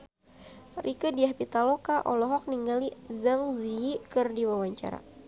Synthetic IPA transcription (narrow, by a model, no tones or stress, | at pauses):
rʔikədiahpit̪alɔkaʔɔlɔɦɔk̚niŋɡalizaŋziikɨrdiwawaɲt͡ʃa̰ɾa̰